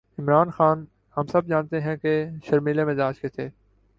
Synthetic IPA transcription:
ɪmɾaːnxaːn | hɐmsɐb̚d͡ʒaːnt̪eɦɛ̃keʃɐɾmiːlemɪzaːd͡ʒket̪ʰeː

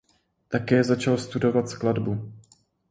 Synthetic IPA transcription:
t̪akɛːzat͡ʃalst̪udo̞vat̪skladbu

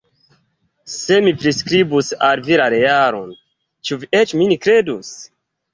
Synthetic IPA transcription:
se̞mipɾiskɾibusalviɾaɾejaɾo̰n | t͡ʃuviʔet͡ʃminikɾe̞dus

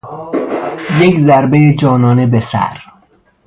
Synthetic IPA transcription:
jekzæɾbejed͡ʒɒːnɒːne̞besæ̰ɾ

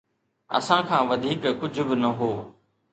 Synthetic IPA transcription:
ə̰sãːkʰãːʋɐd̪ʱiːkkʊd͡ʒʱʊbɪnɐɦoː

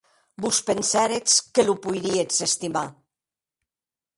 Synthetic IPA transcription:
buspensɛɾet͡skelupujɾiet͡sest̪ima

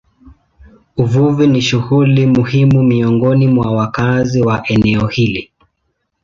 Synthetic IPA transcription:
uvuviniʃuhulimuhimumiɔŋɡɔnimwawakaziwaʔɛnɛɔhili

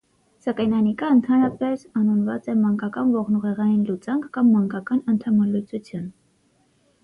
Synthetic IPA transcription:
sɑkɑjnɑnikɑənt̪ʰɑnɾɑpɛsɑnunvɑ̰t͡sɛmɑŋkɑkɑnvɔʁnuʁɛʁɑjinlut͡sɑŋkʰkɑmːɑŋkɑkɑnənt̪ʰɑmɑlut͡sut͡sʰjun

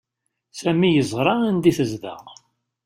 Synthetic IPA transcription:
sæmijəzˤʁɾˤɑænd̪iθəzðæ̰

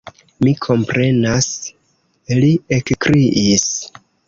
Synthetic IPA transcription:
mikʰo̞mpɾe̞nas | liekkɾiʔis

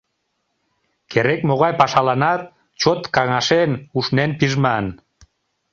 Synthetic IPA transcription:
kʰeɾekmoɣɑjpɑʃɑlɑnɑt̪̚ | t͡ɕot̪kɑŋɑʃenuʃnenpiʒmɑn

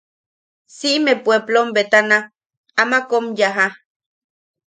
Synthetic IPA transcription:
siʔmepweplombet̪ana | amakomjaɦa

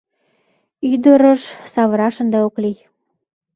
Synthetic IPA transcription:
yd̪əɾəʃsɑβəɾɑʃənd̪eoklij

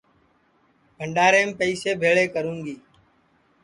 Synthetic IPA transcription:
bʱəɳɖaːɾeːmpəiːseːbʱeːɭeːkəɾũːŋɡiː

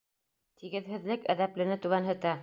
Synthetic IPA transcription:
t̪iɡɘ̆ðhɘ̆ðlɘkæðæplɘ̆nɘt̪ʉɣænɦɘ̆t̪æ

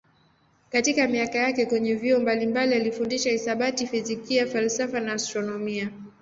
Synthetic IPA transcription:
katikamiakajakɛkwɛɲɛviɔmbalimbalialifundiʃahisaɓatifizikijafalsafanaːstɾɔnɔmia

